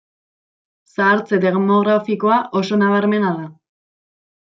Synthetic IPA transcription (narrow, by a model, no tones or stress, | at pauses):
saːɾt͡seðeɣmo̞ɣɾafiko̞aʔo̞so̞naβaɾme̞naða